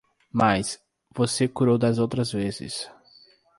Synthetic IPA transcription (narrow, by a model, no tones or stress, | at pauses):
mas | vosekuɾowd̪ɐzowt̪ɾɐzvezɪ̰s